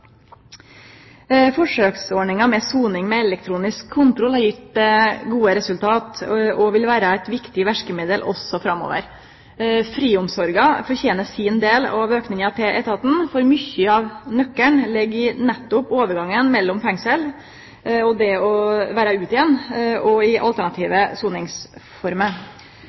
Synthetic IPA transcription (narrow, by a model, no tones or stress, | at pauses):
fɔʂøːksɔɳɪŋɑmɛsuːnɪŋmɛɛlɛk̚t̪ʰɾuːnɪskʰːʊnt̪ɾʊlhɑɾjɪt̪d̪ɛɡuːəɾɛsʉlt̪ʰɑːt̪ʔɔʋɪlʋæːɾɑæɪt̪ʋɪkt̪ɪʋæʂkəmeːd̪əlʔɔ̰sːɔfɾɑmːo̰ːʋə̰ɾ | fɾiːʊmsɔɾɡɑfɔɾçeːnəsɪnd̪eːlɑʋøːknɪŋɑt̪ʰɛʔɛ̰t̪ɑt̪n̩fɔɾmʏçːəɑʋnœkːəɳlɛɡːɪnɛt̪ːʊpoːʋəɾɡɑŋːənmɛlːɔmfɛŋsəl | ɔd̪ɛɔʋæːɾɑʉːt̪ɪjɛnːɔɪʔɑ̰lt̪æɳɑt̪ʰiːʋəsuːnɪŋsfɔɾmə